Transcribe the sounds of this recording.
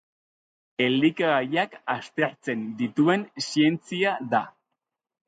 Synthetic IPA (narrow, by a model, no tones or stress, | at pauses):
e̞ld̪ikaɣajakast̪e̞ɾt͡se̞nd̪it̪ue̞nsie̞nt͡siaða